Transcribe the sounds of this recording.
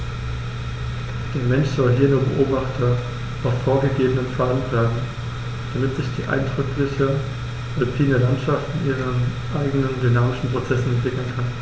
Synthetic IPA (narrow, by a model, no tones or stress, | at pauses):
d̥eːɐmɛnʃz̥ɔlɦiːɐnuːɐbə̰ʔoːbaχtʰɐ | offoːɐɡəɡeːbənənfaːn̩v̥ɛɐdn̩ | d̥amɪtz̥ɪçd̥iːʔa̰ɪndʁʏklɪçə | ʁɔlpʰiːnəlantʃaftɪnʔiːʁən | ʔaɪɡənəndynaːmɪʃn̩pʁ̥ot͡sɛsn̩ɛntv̥ɪkl̩n̩kʰan